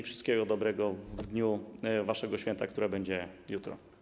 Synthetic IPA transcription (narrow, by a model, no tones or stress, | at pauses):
ifʂɨst̪̚kʲɛɡɔd̪ɔbɾɛɡɔvd̪ɲuvaʂɛɡɔɕfʲɛnt̪akt̪uɾɛbɛɲd͡ʑɛjut̪ɾɔ̰